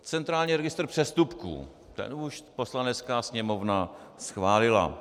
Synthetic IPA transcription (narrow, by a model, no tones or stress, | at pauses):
t͡sɛnt̪ɾaːlɲiːɾɛɡɪst̪r̩pr̥ɛst̪upkṵ | t̪ɛ̰nuʃpo̞slanɛt͡skaːsɲɛmovnasxvaːlɪla̰